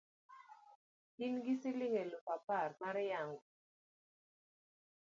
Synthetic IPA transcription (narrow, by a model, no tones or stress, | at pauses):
inɡisilɪŋelopaparmaɾjaŋ